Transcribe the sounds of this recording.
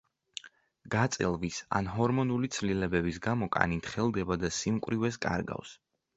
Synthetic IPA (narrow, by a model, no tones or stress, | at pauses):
ɡ̥at̪sʼɛ̰lˠvisa̰nɦɔɾmɔnulit̪sʰlilɛbɛbis̬ɡamɔkʼa̰nit̪χɛlˠd̪ɛbad̪asimkʼwɾivɛs̬kʼa̰ɾɡa̰fs